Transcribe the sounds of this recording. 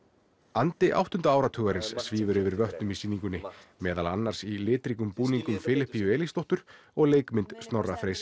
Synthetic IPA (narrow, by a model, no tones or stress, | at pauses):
ant̪ɪʔa̰wht̪ʏnt̪aaːwɾat̪ʰʏːɣaɾɪnsːviːvʏɾʏːvɪɾvœht̪nʏmisiːniŋkʏnːɪmɛːðalanːaɾ̥silɪːt̪ɾikʏmpuːniŋkʏmfɪːlɪhpːiʏɛːlist̪ɔht̪ʏɾ̥ | ɔɣleːjkmɪnt̪st̪nɔrːafɾeːjsɪ